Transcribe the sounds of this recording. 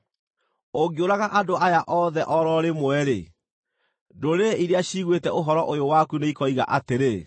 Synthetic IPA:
oɡioɾaɣaʔadoajaʔɔðɛʔɔɾɔɾemwɛɾe | doɾeiɾeaɕiɣwetɛʔoɦɔɾɔʔojowakuneikɔiɣa̰ʔateɾe

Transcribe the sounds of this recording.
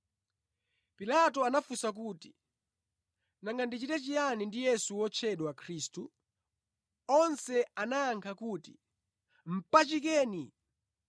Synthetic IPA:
pilatɔanafusak̬uːti | naŋɡandit͡ʃitɛt͡ʃijanindijɛsuwɔt͡ʃʰɛɗwakʰɾiːstu | ɔnsɛanaːŋkʰakuti̥ | m̩pat͡ʃikɛːni

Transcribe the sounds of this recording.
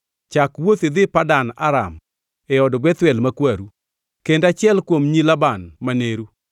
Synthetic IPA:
t͡ʃakwot̪ɪd̪ɪpadana̰ɾa̰m | ɛɔdɔbɛt̪wɛlmakwaɾu | kendat͡ʃɪɛlkwomɲilabanmaneɾu

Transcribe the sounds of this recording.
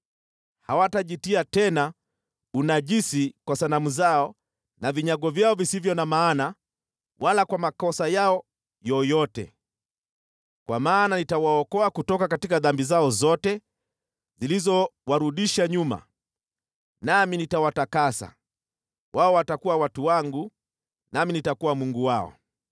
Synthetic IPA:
hawataʄitiatɛna | unaʄisikwasanamuzaɔ | naviɲaɠɔvjaɔvisivjɔnamaːna | wʔalakwamakɔsajaɔ | jɔjɔtɛ̰ | kwa̰maːnanitawaɔkɔakutɔkakatikaðambizaɔzɔtɛ | zilizɔwaɾuɗiʃaɲuma̰ | naminitawatakasa̰ | waɔwatakuwawatuwaŋɡu | naminitakuwamuŋɡuwaɔ̰

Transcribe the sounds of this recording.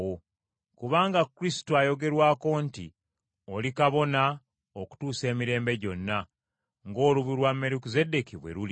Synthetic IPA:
wo | kuβaːŋɡakuɾisi̥tuajo̞ɡe̞ɾwaːko̞ːntḭ | o̞likaβo̞na | oku̥tuːse̞ːmiɾe̞ːmbe̞ɟo̞nːa | ŋɡo̞ːluβuɾwamːeɾikuze̞de̞kiβwe̞̰ɾuli

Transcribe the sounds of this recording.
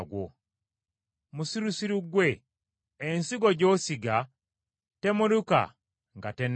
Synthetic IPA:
ɡwo̰ | musiɾusiɾuɡwe̞ː | nsiɡo̞ɟo̞ːsiɡa | te̞muɾuka̰ | ŋɡate̞n

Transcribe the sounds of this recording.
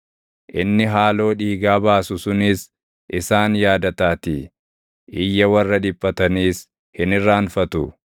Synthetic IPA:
ʔɪnːɪɦaːlo̞ːᶑiːɡaːbaːsʊsʊnɪs | ʔɪsaːnjaːd̪ɐt̪aːt̪i | ʔɪjːɐwɐrːɐᶑɪpʼːɐt̪ɐniːs | hɪnɪrːaːnfɐt̪ʊ

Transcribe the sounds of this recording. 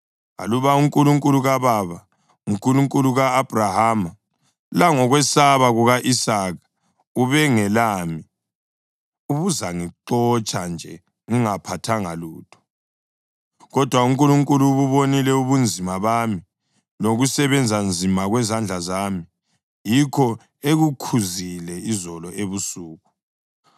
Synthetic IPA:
a̰luβauŋkʼuluŋkʼuluɣaβaβa | uŋkʼuluŋkʼuluɣaːb̥ʱrahaːma | laŋɔɣwɛsaβaɣuɣaʔisaːɣḁ | uβɛŋɛlaːmi | uβuzaŋiǁɔt͡ʃʼand͡ʒʱɛ | ŋiŋapʰatʰaŋaluːtʰɔ̥ | ɣɔd̥ʱwauŋkʼuluŋkʼuluβuβonilɛuβund͡zʱimaβami | loɣusɛβɛnd͡zʱand͡zʱimaɣwɛzand͡ɮʱazaːmi | jikʰɔ | eɣukʰuzilɛizɔlɔeβusuːɣu

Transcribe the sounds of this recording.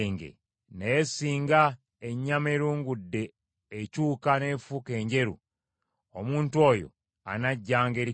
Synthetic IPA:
ŋɡḛ | nejesiːŋɡa | eɲːameɾuːŋɡudːe̞ː | cuːkane̞fuke̞ːɲɟe̞ɾṵ | omuːntwo̞ːjo̰ | a̰naɟːaːŋɡeɾi

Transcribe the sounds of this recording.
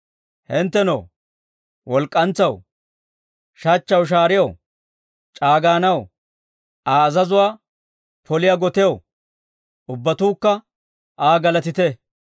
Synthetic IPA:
hɛnt̪ːɛno̰ː | wɔlkʼːɐnt͡sːɐw | ʃɐt͡ʃːɐwʃ̬aːɾɪjɐw | t͡ʃʼaːɡaːnɐw | aːɐzɐzʊwaː | pɔlɪjaɡɔt̪ɛjɐw | ʊbːɐt̪uːkːɐ | ʔaːɡɐlɐt̪ɪt̪ɛ

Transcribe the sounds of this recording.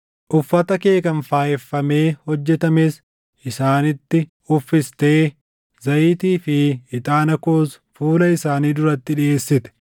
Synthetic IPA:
ʔʊfːɐt̪ɐke̞ːkɐnfaːjɛfːɐme̞ːhɔd͡ʒːɛt̪ɐmes | ʔɪsaːnɪt̪ːɪ | ʊfːɪst̪e̞ː | zɐjɪt̪iːfɪɪt̪ʼaːnɐkoːs | fuːlɐɪsaːniːd̪ʊɾɐt̪ːɪᶑɪe̞ːsːɪt̪ɛ̥

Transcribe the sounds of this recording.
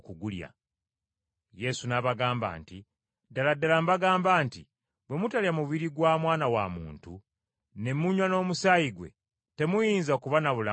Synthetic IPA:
kuɡulja̰ | je̞sunaβaɡaːmba̰ːnti | daladalambaɡaːmbaːnti | βwe̞mutaljamuβiɾiɡwamwaːnawa̰mṵːntu | ne̞muɲwano̞ːmusajiɡwe̞̰ | te̞mujiːnzakuβanaβula

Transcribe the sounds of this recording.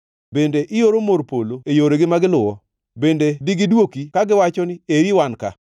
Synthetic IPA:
bendeʔɪjoɾomoɾpoloejoɾeɡɪmaɡɪlʊwɔ | bendediɡɪdwokikaɡɪwat͡ʃɔnɪeɾiwanka̰

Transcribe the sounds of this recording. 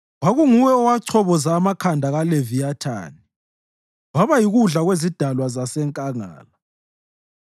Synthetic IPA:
waɣuŋuwɛɔwat͡ʃʰɔβɔzaːmakʰandʱaɣalevijatʰa̰ːni | waβajiɣuɮaɣwezid̥ʱalwazasɛŋkʼaŋa̰ːla

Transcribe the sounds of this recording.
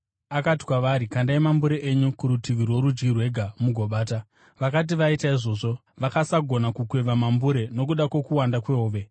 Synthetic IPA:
akati̥kwaʋaɾikandaimambuɾeʔeɲukuɾutiʋirwoɾud͡ʒɡirwe̞ɡʱamuɡʱo̞ɓaːta | ʋakat̬iʋaitaiʐo̞ːʐo̞ | ʋakasaɡʱo̞nakukweʋamambuɾe̞no̞k̬uɗakwo̞kuwandakwe̞oːʋe̞

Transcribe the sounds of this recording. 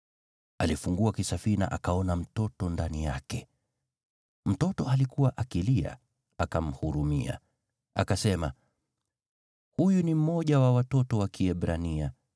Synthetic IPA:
alifuŋɡuakisafiɾina̰ʔakaɔnam̩tɔtɔndanijakɛ | m̩tɔtɔalikuwaʔakilia̰ | akam̩huɾumḭa̰ | akasɛma | hujunim̩mɔʄawawatɔtɔwakiɛɓɾania

